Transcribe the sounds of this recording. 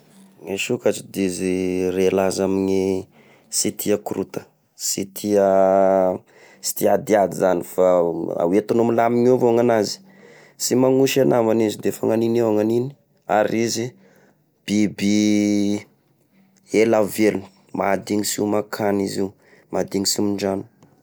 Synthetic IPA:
ŋeʃukat͡ʃid̪izirelazamiɲi | sit̪ʰiakɾut̪ə̥ | sit̪ʰiə | si̥t̪iad̪iad̪izanifaa̰wet̪unumilamiŋevoŋanazi̥ | simaŋuʃanavanizid̪efa̰ŋaninewaŋanini̥ | a̰ɾizi | b̥ibi | elaveluni̥ | ma̰d̪iŋisiumakʰanizi | mad̪iŋisimiɳd͡ʒanu

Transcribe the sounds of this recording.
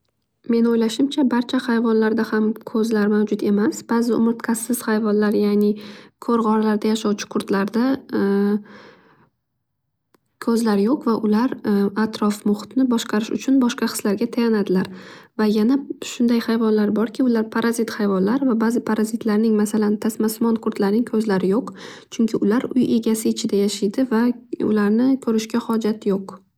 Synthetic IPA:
me̞nojlaʃɪmt͡ʃʰabaɾt͡ʃʰahajvɒnlaɾd̪ahamkʰɵzlaɾmawd͡ʒʊt̪e̞masb̥aːzɪʊ̰mɪɾt̪kʲʰasːɪz̥hajvɒnlaɾjaːnɪkʰoɾʁɒɾalaɾd̪ajaʃɒwt͡ʃʰɪ̥kʰʊɾt̪laɾd̪a | kʰɵzlaɾjoqvaʔʊlaɾat̪ɾɒfmʊχɨ̥t̪nɪbɒʃqɑɾɪʃʊ̰t͡ʃʰʊnbɒʃqɑχɨ̥slaɾɡʲat̪ʰajanad̪ɪlaɾvajanaʃʊnd̪ajhajvɒnlaɾbɒɾkʲɪʊlaɾpʰaɾazɪt̪hajvɒnlaɾvabazɪpʰaɾazɪt̪laɾnɪŋmasalant̪ʰasmasmɒnkʰʊɾt̪laɾnɪŋkʲʰɵzlaɾɪjoqt͡ʃʰʊŋkʲʰɪʊlaɾʊje̞ɡʲasɪːt͡ʃʰɪd̪ajaʃɪjd̪ɪvaʊ̰laɾnɪkʰɵɾɪʃkʲahɒd͡ʒat̪joq

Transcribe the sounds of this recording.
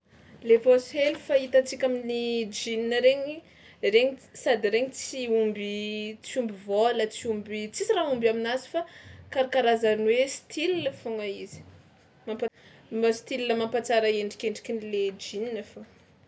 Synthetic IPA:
levoselifait̪at͡sikʲaminid͡ʒininəɾeɲi | reɲisad̪ireɲit͡siumbit͡siumbivolət͡siumbit͡sisiraɦumbaminazi̥fakaɾakaɾazanwesi̥t̪ʰilinəfoŋaizi̥ | mampa | mast̪ililəmampat͡saɾaeɳɖ͡ʐikʲeɳɖ͡ʐi̥kʲiniled͡ʒininəfo

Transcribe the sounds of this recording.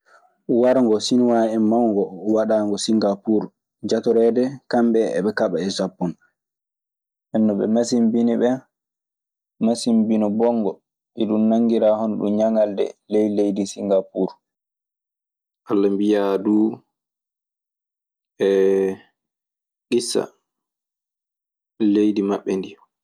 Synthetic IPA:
waɾŋɡɔsinwaɛmːawŋɡɔwaɗaːŋɡɔsiŋɡapuɾ | d͡ʒatɔɾɛdɛkamɓɛ̰ːɓɛkaɓaɛsapːɔn | ʔɛnːɔɓɛ̰masimbiniɓɛ | masimbinɔbɔŋɡɔ | ʔiɗunnaŋɡiɾaːhɔnɗṵmɲaŋaldɛ̰lejlejdisiŋɡapuɾ | ʔalːambijaduː | ʔɛ | ɗisa̰ | lejdimaɓːɛndi

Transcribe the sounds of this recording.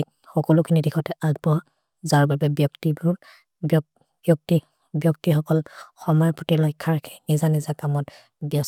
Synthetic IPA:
xɔkɔlʊkʰinidikʰɔtɛʔaɡ̚bɔ | zaɹbabɛbjɔktibul | bjɔk̚ti | bjɔk̚tixɔkɔlxɔmɔjɔpɹɔtilɔjkʰːaɹkʰnizanizakamɔt | biɔs

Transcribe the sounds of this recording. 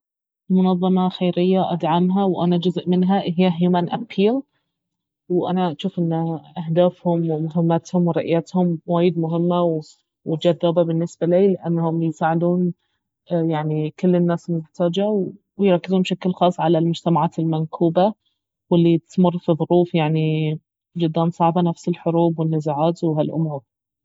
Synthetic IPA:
lmʊnɑðˤːɑmɑxeːɾɪjːaʔad̪ʕamɦawʔanad͡ʒʊzʔmɪnɦaʔɪɦɪjːaɦjumaːnʔapʰiːl | wʔanaʃuːfʔɪnːʔahd̪aːfhʊmwɪmʊɦɪmːat̪hʊmwɪɾˤɑʔjat̪hʊmwaːjɪd̪mʊɦɪmːaw | wɪd͡ʒaðːaːbabɪnːɪsbaliːlʔanːhʊmjɪsaːʕɪd̪uːn | jaʕnikɪlːɪnːaːslmʊħt̪aːd͡ʒaw | wjɾˤɑkːɪzʊmbʃaklxɑːsˤːʕalalmʊd͡ʒt̪amaʕaːt̪ɪlmankʰuːba | wɪlːit̪mʊrˤːfiðˤʊɾuːfjaʕni | d͡ʒʊd̪ːaːnsˤɑʕbanafsɪlħʊɾuːbwɪnːɪzaʕaːt̪wɪɦalʔʊ̰muːɾ

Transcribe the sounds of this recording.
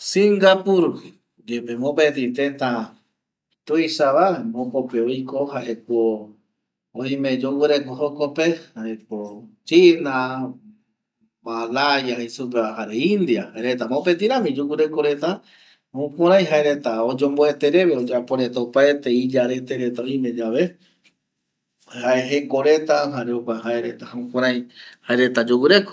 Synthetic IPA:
sĩŋɡapuɾ | d͡ʒepemõpet̪̬ĩt̪et̪ã | t̪ujʃaβaembokopeojkoɦaɦeko | õjmẽ̞d͡ʒowɨɾekoɦokopehahekot͡ʃina | balajahesupeaɦaɾeind̪iahaeɾet̪amaopet̪ĩɾãmĩd͡ʒuwɨɾe̞koɾe̞t̪a | hãkʷãɾ̃ãj̃ɦaeɾe̞t̪aod͡ʒõmboet̪eɾe̞βeod͡ʒapoɾe̞t̪aopaet̪eid͡ʒaɾe̞t̪eɾe̞t̪aoj̃mẽ̞d͡ʒaβe | haeɦekoɾe̞t̪aɦaɾeokʷaɦaeɾet̪ahãũkʷãɾ̃ãj̃haeɾe̞t̪ad͡ʒuwɨɾeko

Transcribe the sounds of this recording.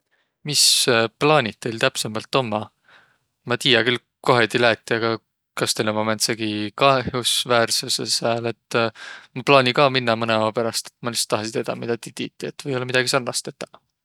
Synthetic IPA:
misplɑːnʲit̪̚t̪ːe̞jlt̪æpsemɑlt̪ːˑo̞mːɑ | mɑt̪iːjɑkyl | ko̞ɦet̪ilæːt̪ʲˑːiɑɡ̥ɑ | kɑst̪ejlomɑment̪seɡ̥ikɑehjusvæːrsusesæːle̞t̪ːmɑplɑːnʲikɑːminːɑmɤneɑwɑpæɾɑst̪e̥t̪ːˑmɑlist̪ːɑɦɑsit̪ed̪̥ɑ̰mid̪̥ɑt̪it̪it̪ːˑiet̪ːvɤjolːɑmid̪̥ɑɡ̥isɑrnɑst̪e̞t̪ːˑɑ̥

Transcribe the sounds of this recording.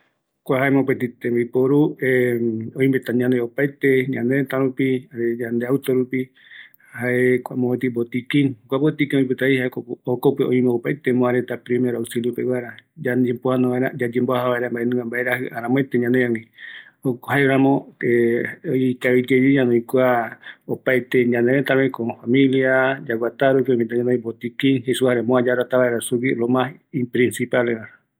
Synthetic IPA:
kʷaɦaemõpet̪it̪embipoɾueõĩmbet̪aɲãneopajt̪eɲãnet̪ãɾupiaɾed͡ʒãnd̪eawt̪oɾupi | haʔekʷamõet̪ibot̪ikĩŋkʷabot̪ikĩõĩpet̪aihaekookopeʔõĩmẽopajt̪emõaɾet̪apɾimeɾausiljopewaɾad͡ʒad͡ʒempoanõβaeɾa̰d͡ʒad͡ʒẽmboahaβaeɾambaenũŋɡambaʔeɾahɨaɾãmõet̪eɲãneãŋĩ | okhaeɾãmõeikaβid͡ʒed͡ʒeɲãnõikuaopajt̪eɲãnd̪eɾet̪aɾekofamĩliad͡ʒaɡʷwat̪aɾupeomĩt̪aɲãneĩbot̪ikĩŋɦesuhaɾemõad͡ʒaɾat̪aβaeɾasukiɾomãimpɾĩnsipalewaɾa

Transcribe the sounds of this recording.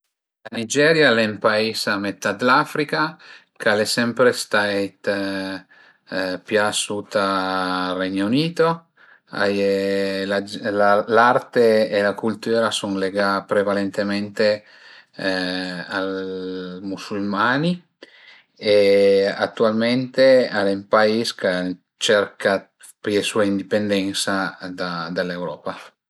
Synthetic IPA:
lanid͡ʒɛɾjalɛmpaiːsamet̪ːad̪lafɾika | kalesɛmpɾest̪aet̪ | pjasut̪arɛɲːouniːt̪o | a̰jlad͡ʒlalart̪eːlakult̪yːɾasuŋleɡapɾevalent̪ement̪e | a | musulmaːni | ea̰t̪ːualment̪ealempaiska | t͡ʃɛɾka | pjesuaind̪ipend̪ɛnsad̪ad̪alewɾɔːpa

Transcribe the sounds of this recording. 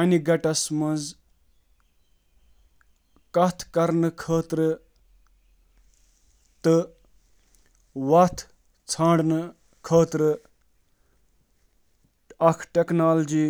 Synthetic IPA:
ɐniɡɐʈɐsmɐnz | kɐt̪ʰkɐɾnɨkʰəːt̪ɾɨ | t̪ɨ | wɐt̪ʰ | t͡sʰãːɳɖnɨ | kʰəːt̪ɾɨ | ɐkʰʈeknaːld͡ʒiː

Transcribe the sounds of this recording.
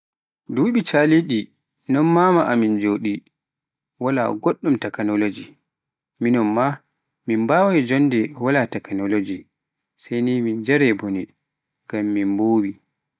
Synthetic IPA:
duːɓit͡ʃaliɗi | nɔnmamaʔamind͡ʒoɗi | wala̰ɡoɗːumtɛknolod͡ʒi | minɔnma | mimbaːwɔjd͡ʒɔndɛwalatɛknolod͡ʒi | sajnimind͡ʒɛɾɛboni | ɡamːinboːbi

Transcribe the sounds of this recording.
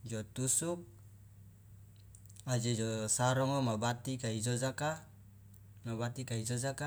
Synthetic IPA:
d͡ʒɔt̪usuk̚ | ad͡ʒed͡ʒɔsaɾɔŋɔmabat̪ikaid͡ʒɔd͡ʒaka | mabat̪ikaid͡ʒɔd͡ʒaka

